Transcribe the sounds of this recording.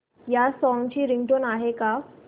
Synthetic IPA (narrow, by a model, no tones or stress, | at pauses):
jasɔ̃ŋɡt͡ɕiːɾiŋɡʈonaɦeka